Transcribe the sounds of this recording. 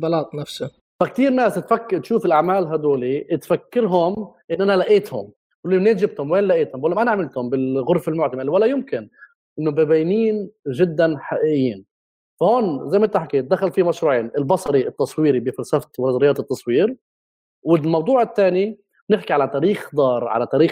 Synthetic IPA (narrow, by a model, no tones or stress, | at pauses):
bɑlɑːt̪ˤnafsa | fakt̪iːɾnaːst̪fakːt̪ʃuːfɪlʔaʕmaːlɦad̪oːlit̪fakːɪɾɦʊmʔɪnːʔanalaʔeːt̪hʊ̰m | wlːineːʒɪb̚t̪hʊmweːnlaʔeːt̪hʊmbolːmʔanaʕamɪlt̪hʊmbɪlɣʊɾˤfɪlmʊʕt̪amɪlwalːajɪmkɪn | ʔɪnːobebejniːnʒɪd̪ːanħaʔiʔɪjːiːn | fahoːnzajmʔɪnt̪aħakeːt̪̚d̪axalfiːmaʃɾˤuːʕiːnʔɪlbɑsˤɑɾiɪt̪ːɑsˤwiːɾibɪfalsaft̪walad̪ɾɪjɑːt̪ɨt̪ːɑsˤwiːɾ | wɪmɑwd̪ˤuːʕɪt̪ːaːni | nɪħkiʕalat̪ɑːɾiːxd̪ˤɑːɾˤʕa̰lat̪ɑːɾiː